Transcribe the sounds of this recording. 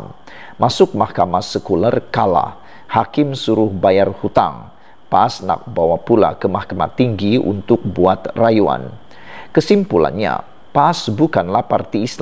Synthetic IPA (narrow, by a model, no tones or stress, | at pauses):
m | masʊk̚mahkamasəkularkala̰h | hakɪmsuɾʊhbajarhut̪a̰ŋ | paʔːsna̰k̚bawapula̰kəmahkama̰t̪iŋɡiṵnt̪ʊk̚buat̪rajua̰n | kəsimpula̰nɲa̰ | paːsbukanlahpart̪iːsl